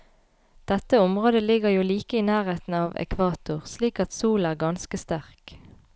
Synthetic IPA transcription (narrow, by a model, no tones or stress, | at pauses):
d̪̥ɛt̪ːəʊmʁoːd̪əlɪɡəʁjuːliːkəiːnæːʁeːt̪n̩ɑːʋɛ̰kʰʋɑːt̪ʊʁsliːkɑt̪suːlæːʁɡɑnskəst̪æʁk